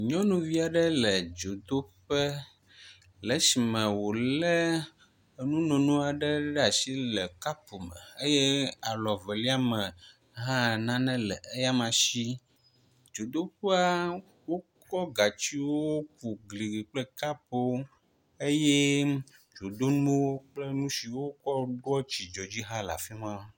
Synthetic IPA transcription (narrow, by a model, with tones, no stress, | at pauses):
ɲɔ̃˦nũ˨vi˦a˨ɖə˦lɛ˨d͡ʒo˨d̪o˦ɸə˦ | lɛ˨˦si˨mɛ̃˨wo˨lɛ˦˨ | nũ˦nõ˨nũ˦a˨ɖɛ˦ɖa˨si˦lɛ˨ka˦po˨mɛ̰̃˨e˦jɛ˦a˨lɔ˨vɛ˨li˦a˦mɛ̃˨ | ɦã˦˨nã˦nɛ̃˦lɛ˨e˦ja˦mã˨ʃi˦ | d͡ʒo˨d̪o˦ɸe˦a˦ | wo˦kɔ˦ɡa˨t͡ɕi˦wwo˦ku˨ɡli˨ɡi˨k͡plɛ˦ka˦po˦ | e˦jɛ˦ | d͡ʒo˨d̪o˦nũ˦wo˦k͡ple˦nũ˦si˨wo˦kɔ˦ɖo˦ɔ˦t͡ɕi˨d͡ʒɔ˨d͡ʑi˦ɦã˦la̰˨fi˦mã˦